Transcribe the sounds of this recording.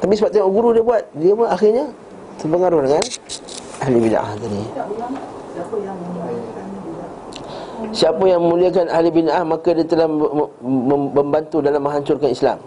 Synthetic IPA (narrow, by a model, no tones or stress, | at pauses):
t̪apisəbap̚t̪ujaɡuɾudiəbuat̪̚diəpənaxirɲa | t̪ərpəŋaɾʊhdəŋanʔahlibin̰ʔa̰ht̪adi | a | siapajaŋməmuliakanahlibinʔahmakadiat̪əlah | əbəmbant̪udalamːə̃ŋɦaɲt͡ʃʊrkanisla̰m